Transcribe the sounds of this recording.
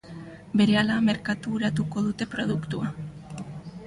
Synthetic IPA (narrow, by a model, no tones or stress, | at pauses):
be̞ɾe̞alame̞ɾkat̪uːɾat̪uko̞ðut̪e̞pɾo̞ð̞ukt̪ua